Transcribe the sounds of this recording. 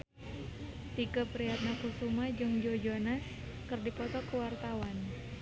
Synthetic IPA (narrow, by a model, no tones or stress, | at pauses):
t̪ikəpɾiat̪̚nakusumad͡ʒɨŋd͡ʒod͡ʒonas | kɨrdipɔt̪ɔkəwart̪awan